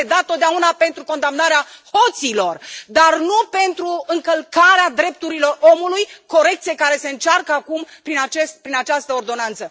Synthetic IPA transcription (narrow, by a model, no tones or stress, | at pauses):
ed̪at̪ːot̪̚d̪eaunape̞nt̪ɾuko̞nd̪amnaɾeaho̞t̪silo̞rd̪arnupe̞nt̪ɾuɨŋkəlkaɾead̪ɾe̞p̚t̪uɾilo̞ro̞mulujko̞ɾe̞k̚t̪siekaɾe̞se̞ɨnt͡ʃarkəakumpɾinat͡ʃest̪̚pɾinat͡ʃast̪əord̪o̞nant̪sə